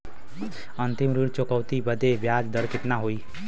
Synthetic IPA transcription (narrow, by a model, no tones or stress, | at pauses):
ənt̪imɾiɽt͡ʃokəwt̪ibəd̪ebjad͡ʒd̪əɾkɪt̪naɦoi